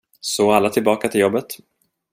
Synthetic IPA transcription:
sɔalːat̪ʰɪlbɑːkat̪ʰɪljɔbːət̪

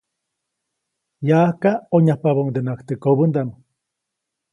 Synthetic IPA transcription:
jahkaoɲahpaβouŋd̪enakt̪ekoβənd̪ano

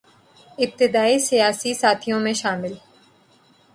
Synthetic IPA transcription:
ɪb̚t̪ɪd̪aːisijaːsisaːt̪ʰijõmẽʃaːmɪl

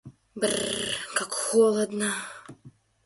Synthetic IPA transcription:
brkakxolˠəd̪nə

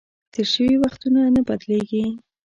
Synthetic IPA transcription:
t̪eɾʃəwiwaxt̪unanəbad̪leɡi

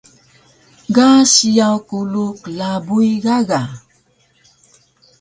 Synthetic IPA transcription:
ɡasijawkuluklabujɡaɡa

